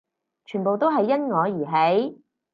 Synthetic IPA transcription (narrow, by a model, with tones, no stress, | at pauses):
t͡ʃʰyː˨˩npo˨wt̪o˥wɦɐ˨jːɐ˥nŋɔː˨˧jiː˨˩ɦe˨˥j